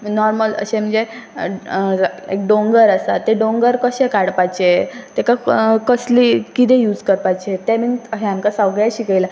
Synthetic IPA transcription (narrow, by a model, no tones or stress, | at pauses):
nɔɾmələ̰ɕẽm̤əɳd͡ze | ek̚ɖõŋɡəɾəsa̰t̪ːeɖoŋɡəɾkəɕẽkaɽpajt͡ɕet̪ekakəslikit̪ejuːd͡zkəɾpajt͡ɕet̪eminəɦeamkasawɡaɕiːkela